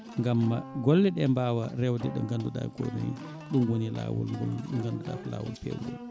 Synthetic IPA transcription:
ŋɡamːaɡɔlːɛɗɛmbaːwaɾɛwdɛɗɔŋɡanduɗa̰ko̰najḭ | ɗumwonila̰wulɡunɡanduɗa̰kɔlawulpḛwdɛ̰

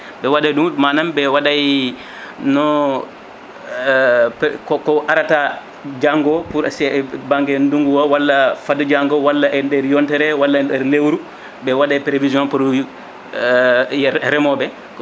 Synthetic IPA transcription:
bɛwadajɗummanambɛwadaj | nɔ | kɔkɔʔaɾata | d͡ʒaŋɡɔpuɾasɛɛbaŋɡɛnduŋɡuwɔwalːafadɔd͡ʒaŋɡɔwalːaʔɛdɛɾjɔntɛɾɛwalːaɛɾlewɾu | bɛwadajpɾeviziɔ̃npɾ | ɾɛmɔbɛ

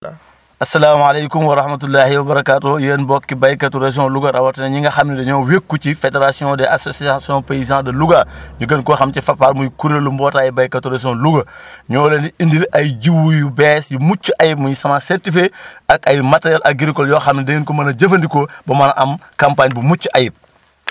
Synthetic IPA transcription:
ɐsːɐlaːmalejkumwɐɾɐhmɐt̬ulːaːhiwɐbɐɾɐkaːtojɛːnbɔkːibajkatuɾas̬iɔ̃luɡɐɾɐwatɐnɐɲiŋɡɐxɐmnidɛɲɔːwekːut͡ʃifedeɾasiɔ̃ːdɛʔasosiasɔ̃peizãdɐluɡaɲuɡɐnkɔxɐmt͡ʃɛfɐpaɾmujukuɾelumbɔːtaːjibajkatuɾas̬jɔ̃luɡɐɲɔːlendiindiɾʔɐjɟiwujubɛsjumut͡ʃːuʔajip̚muɲisɐmasɛɾtifeɐkɐjmateɾjalʔɐɡiɾikɔljɔːxɐmnideŋinkomɐnɐɟɐfɐndikobɐmɐnɐʔɐmkɐmpaːɲbumut͡ʃːuʔajip̚

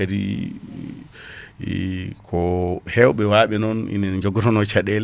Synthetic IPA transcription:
aɾḭ | kʰɔhɛwɓɛwaɓɛnɔnḭnɛd͡ʒɔɡɔtɔnɔt͡ʃaɗɛl

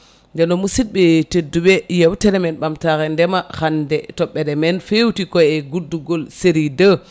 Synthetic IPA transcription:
ndɛnɔmusit̚ɓɛtedːuɓɛjɛwtɛɾɛmɛnɓamtaɾɛndɛmaxandɛtɔɓːɛɾɛmɛnfewtikɔɛɡuduɡɔlseɾidə

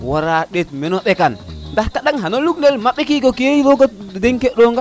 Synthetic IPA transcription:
waɾaɗet̚mɛnɔɗɛkanndahkaɗaŋɦanoluknelmaɓːɛkikokieilɔkɔdeŋkeɗɔŋɡa

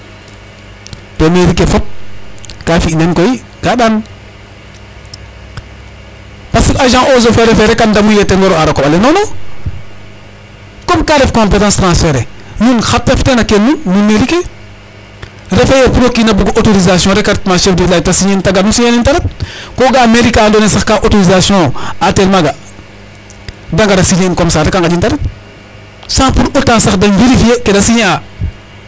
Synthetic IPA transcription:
temeɾikefop̚kafinenkoi | kaɗan | pasiaʒãŋʔozofeɾefeɾekandamujeteŋɡoɾoaɾakobalenono | kopkaɾefkõmpetãnstɾãnsfeɾenunxap̚teftenakenːunnumeɾike | ɾefajepuɾokːinɐbuɡʔotoɾizasjɔ̃ːɾɛkaɾtmaʃɛfdilatasiɲentaɡatmusiɲenintɐɾɛt̚koɡameɾikadonesaxkaʔotoɾizasjɔ̃atelmaɡa | daŋɡadɐsiɲenkomsatekaŋkad͡ʒintɐɾet̚ | sãpuɾutaːnsaxdɐŋveɾifiekedɐsiɲaː

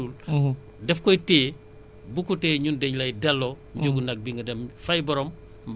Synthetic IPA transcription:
ul | dɛfkɔjtɛː | bukutɛːɲundɛɲlɐjdɐlːɔ | ɲd͡ʒoɡunɐk̚biŋɡɐdɐmfɐjbɔɾɔm

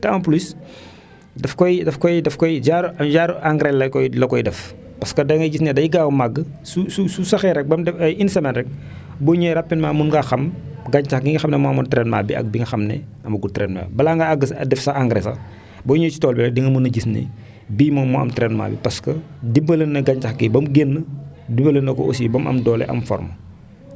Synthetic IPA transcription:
tɛɐmɐpulis | dɛfkɔjdɛfkɔjdɛfkɔjɟaɾuɐɟaːɾʔaŋɡɾɛlɐkɔjlɐkɔjdɛf | pɐskɐdɐŋɡɐɟisnɛdɐjiɡaːwumaɡːsusususɐxɛɾɛk̚bɐmdɛɐjinsɐmɛnɾɛk̚ | bɔːɲojɾɐpːinmamunɡaxɐm | ɡaɲtaxɡiŋɡɐxɐmnɛmɔɐmɔntɾɛːnma̰ːbḭɐ̰k̚biŋɡɐxɐmnɛ̰ɐmɐɡutɾɛnma̰ːbɐlaŋɡaaɡːəsɐ̰dɛfsɐaŋɡɾɛsɐ̰ | bɔɲoːjt͡ʃi̥tɔːlbɛlɐdiŋɐmunɐɟisnḛ | biːmɐmɔɐ̰mtɾɛnma̰ːbḭpɐskɐdibɐlənːɐɡaɲt͡ʃɐxɡɛbɐmɡenːə | dibɐlənːɐkɔ̰ʔo̰sibɐmɐ̰mdɔːlɛ̰ʔɐ̰mfɔ̰rmə

